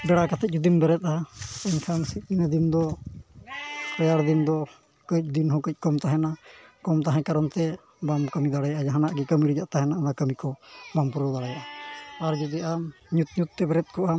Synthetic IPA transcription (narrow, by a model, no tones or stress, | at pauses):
bɛɽakat̪ʰɛc̚ˀd͡ʒud̪imbɛɾɛt̪̚aɛnkʰansit̪̚ˀinad̪ind̪ɔ | kɾɔjaɽd̪ind̪ɔ | kəc̚d̪inɦɔkəc̚ˀkɔmt̪aɦɛnakɔmt̪aɦɛ̃kaɾɔnt̪ɛ | bamkəmid̪aɽajaʔad͡ʒaɦanaʔɡɛkəmiɾɛd͡ʒaʔt̪aɦɛnanakəmikɔbampuɾod̪aɽajaʔaːɾd͡ʒud̪iʔam | ɲut̪̚ɲut̪̚ːɛbɛɾɛt̪̚kɔʔam